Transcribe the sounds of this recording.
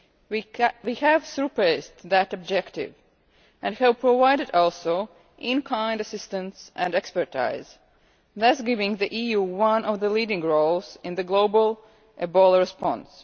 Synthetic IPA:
wihævsupestðɨtɔb̚d͡ʒɛktɪ̰v | ʔɨ̃nhɨvpɹovaɪɾɨdɔlˠsoʊ | ʔɪ̃nkʰãɪ̃ndɨsɪstɨ̃nsɨ̃nɛkspə˞tʰa̰ɪz̥ | ðʌsɡɪvɪ̃ŋðiʔijuːwʌ̃nɔvðəlidɪ̃ŋɹolˠzɨ̃nðɨɡloʊbəlˠ | ʔɨbɔlˠəɹɨspɑ̃ns

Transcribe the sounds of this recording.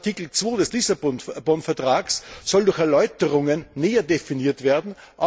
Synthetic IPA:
tʰiːkl̩t͡sv̥oːdɛslisabɔnbɔnfɛɐtʁ̥aːkssɔldʊɐxɛɐlɔʏtəʁʊŋənːeːɐdefiniːɐtv̥eːɐdn̩ | ʔa

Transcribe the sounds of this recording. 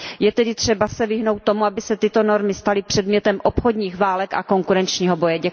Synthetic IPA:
jɛt̪ɛdɪt̪r̝̥ɛbasɛvɪɦno̞wt̪̚ːo̞muabɪsɛt̪ɪt̪o̞no̞ɾmɪst̪alɪpr̥ɛdmɲɛt̪ɛmʔo̞pxo̞dɲiːxvaːlɛka̰ko̞ŋkuɾɛnt͡ʃɲiːɦo̞bo̞jɛɟɛ

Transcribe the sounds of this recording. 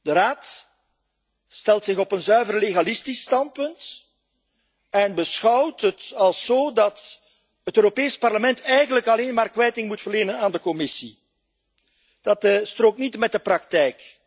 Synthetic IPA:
dəɾaːt | stɛlˠtsɪɣɔpənzœɥvərleɣalɪstistɑnt̚pɵnt | ɛnbəsxɑwtɦətɑlˠsoːdɑt | ɦətøːɾopeːspɑrləmɛntɛjɣənləkɑleːnmaːrkʋɛjtɪŋmutfərleːnənaːndəkɔmɪsi | d̥ɑtstroːk̚tnitmɛt̚dəprɑk̚tɛjk

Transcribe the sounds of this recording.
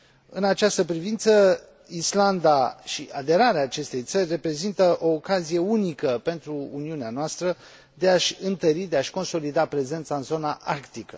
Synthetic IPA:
ɨnat͡ʃast̪əpɾivint̪sə | island̪aʃiad̪e̞ɾaɾeaːt͡ʃe̞st̪e̞jt̪sərʲre̞pɾe̞zint̪əʔo̞ːkazije̞unikəpe̞nt̪ɾṵːniuneanoast̪ɾə | d̪e̞aʃʲɨnt̪əɾid̪e̞aʃʲko̞nso̞lid̪apɾe̞ze̞nt̪saɨnzo̞naʔarkt̪ikə̰

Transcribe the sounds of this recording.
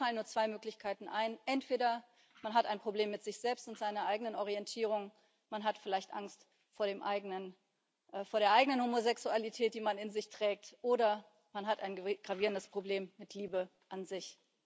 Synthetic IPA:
falənːuːɐt͡sv̥aɪmøːklɪçkʰaɪtn̩ʔaɪnʔɛntv̥eːɾɐ | manɦataɪnpʁ̥obleːmːɪtz̥ɪçz̥ɛlpstʊntz̥aɪnɐʔaɪɡənənɔʁ̞iɛntʰiːʁ̞ʊŋ | manɦatfɪlaɪçtʔa̰ŋst | foːɐɾeːmʔaɪɡnən | foːɐɾeːɐʔaɪɡənənhomozɛksualitʰɛːt̚d̥iːmanɪnzɪçtʁ̥ɛːk̚tʔoːɾɐ | manɦataɪnɡ̥ʁaviːʁəndəspʁ̥obleːmːɪtʰliːbə | ʔanzɪç

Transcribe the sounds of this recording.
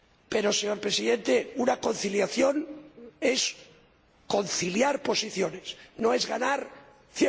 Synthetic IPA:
pe̞ɾoseɲo̞ɾpɾesiðẽ̞nt̪eunako̞n̟θiljaθjo̞ne̞s | ko̞nθiljaɾpo̞siθjo̞ne̞sno̞e̞zɣanaɾ | θje

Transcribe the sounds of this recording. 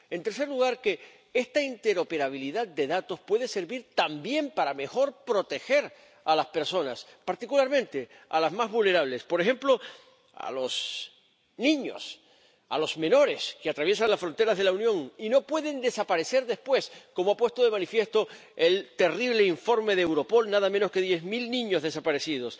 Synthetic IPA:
e̞nt̪eɾse̞ɾluɣaɾke̞ | e̞st̪aint̪e̞ɾo̞pe̞ɾaβ̞iliðad̪̚d̪e̞ðat̪o̞spwe̞ðe̞se̞ɾβiɾt̪ambje̞mpaɾame̞xo̞ɾpɾo̞t̪e̞xe̞ɾ | alaspe̞ɾso̞naspaɾt̪ikulaɾmẽnt̪e̞ | a̰lazmazβulne̞ɾaβ̞le̞spo̞ɾexe̞mplo̞ | a̰lo̞s | nĩɲo̰s | a̰lo̞zmẽ̞no̞ɾe̞skeat̪ɾaβje̞sanlasfɾo̞nt̪e̞ɾazðe̞launjõ̞ŋino̞pwe̞ðe̞nd̪e̞sapaɾe̞se̞ɾðe̞spwe̞sko̞moapwe̞st̪oðe̞mãnifje̞st̪o̞e̞lt̪e̞riβle̞iɱfo̞ɾme̞ðeewɾo̞po̞lnaðamẽ̞no̞ske̞ðje̞zmilnĩɲo̞zðe̞sapaɾe̞sið̞o̞s

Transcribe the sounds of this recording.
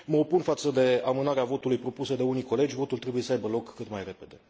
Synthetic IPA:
məopunfat̪səd̪e̞amɨnaɾeavo̞t̪ulujpɾo̞pusəd̪e̞uniko̞le̞d͡ʒʲvo̞t̪ult̪ɾe̞buje̞səajbəlo̞kːɨt̪majre̞pe̞d̪e̞

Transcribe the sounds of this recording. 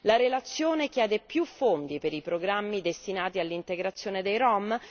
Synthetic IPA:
laɾelat̪sːjoːnekjɛːd̪epjufːond̪ipeɾipɾoɡɾamːid̪est̪inaːt̪ialːint̪eɡɾat̪sːjoːned̪ejɾɔm

